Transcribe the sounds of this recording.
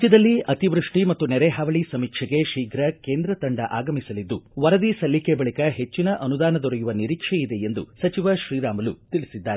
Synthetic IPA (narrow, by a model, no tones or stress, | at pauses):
t͡ʃːid̪ɐlːiʔɐt̪iʋɾuʂʈimɐt̪ːunɛɾeɦaːʋɐɭisɐmiːkʂɐɡe̞ʃiːɡɾɐkeːnd̪ɾɐt̪ɐɳɖɐʔaːɡɐmisɐlid̪ːuʋɐɾɐd̪isɐlːikebɐɭikɐɦe̞t͡ʃːinɐʔɐnud̪aːnɐd̪ɔɾɐjuʋɐniɾiːkʂeid̪e̞end̪ṵsɐt͡ʃiʋɐʃɾiːɾaːmɐlut̪iɭisid̪ːaːɾe